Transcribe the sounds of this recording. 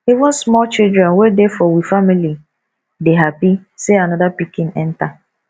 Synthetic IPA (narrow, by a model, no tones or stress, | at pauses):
ivʊ̃nsmɔlt͡ʃildɾɛ̃nwedefɔwifamili | deɦapiseanɔdapikĩnɛ̃n̩ta